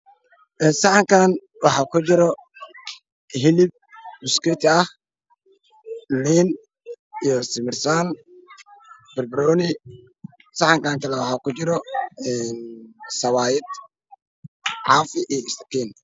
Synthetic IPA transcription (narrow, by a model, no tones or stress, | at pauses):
ʔɛːsɑħɑŋkʰaːn | wɑħɑːkʰʊt͡ʃɪɾɔ | ɦɪlɪb̚mʊskit̪ʰɐh | liːn | ijɔsɪmɪrsaːn | bɪrbɾɔːnɪ | sɑħɑŋkʰaːŋkʰɐlɛwɑħɑːkʊt͡ʃɪɾɔɛnsɐwaːjɪd̪ | ʕɑːfɪʔijɔɪst̪ɐ̥qiːn